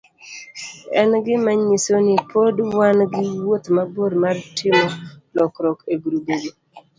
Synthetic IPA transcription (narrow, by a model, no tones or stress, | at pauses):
ɛnɡɪmaɲːisonɪpʰodwanɡɪwot̪maboɾmartʰɪmɔlɔkɾɔkeɡuɾubolo